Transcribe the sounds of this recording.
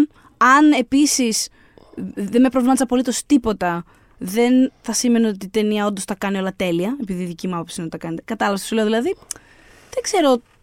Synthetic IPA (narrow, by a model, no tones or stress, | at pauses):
ɐne̞pisis | ðenme̞pɾovlimɐs̬ɐpo̞lit̪o̞st̪ipo̞t̪ɐ | ðe̞nθɐsime̞neo̞t̪it̪e̞niɐo̞nd̪ost̪ɐkɐnio̞lɐt̪e̞liɐe̞piðiðicimuɐpopsinot̪t̪ɐkɐnet̪ekɐt̪ɐlɐvssule̞ðilɐði | ðeɡ̥se̞ɾo̞